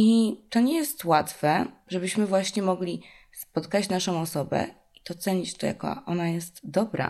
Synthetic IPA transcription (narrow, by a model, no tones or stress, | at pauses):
it̪ɔɲɛjɛst̪wat̪fɛʐɛbɘɕmɘvwaɕɲɛmɔɡlʲi | spɔt̪kat͡ɕnaʂɔ̃w̃ɔsɔbɛ̰ | t̪ɔt̪sɛɲit͡ɕt̪ɔja̰kɔ̰ʔɔnajɛst̪d̪ɔbɾa̰